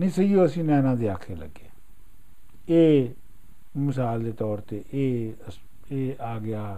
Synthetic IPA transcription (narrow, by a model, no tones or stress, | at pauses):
nĩːsəioːəsĩːnɛːnãːd̪eːaːkʰːeːlə̰ɡeː | eː | mɪsaːld̪eːt̪ɔːɾt̪eːʔeː | eːaːɡɪaː